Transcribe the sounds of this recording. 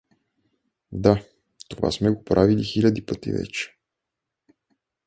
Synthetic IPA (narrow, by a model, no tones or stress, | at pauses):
d̪a | t̪ova̰smɛɡopɾʔavilixilʲad̪ipət̪ḭvɛ̰t͡ʃɛ̥